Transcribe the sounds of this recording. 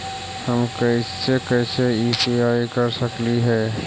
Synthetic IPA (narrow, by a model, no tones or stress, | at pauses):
həmkəɪsekɛːseiːpiaːikəɾsəkliɦɛː